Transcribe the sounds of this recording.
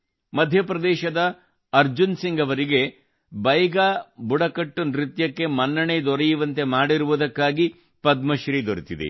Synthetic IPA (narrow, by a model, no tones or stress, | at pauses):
mɐd̪ʱjɐpɾɐd̪ɛːʃɐd̪ɐː | ɾd͡ʒunsiŋɡɐʋɐɾiɡe̞ | bɐjɐɡaːbuɽɐkɐʈːunɾit̪jɐkːe̞mɐnːɐɳed̪ɔɾejuʋɐnt̪e̞maːɽiɾuʋud̪ɐkːaːɡi | pɐd̪̚mɐʃɾid̪oɾit̪id̪ḛ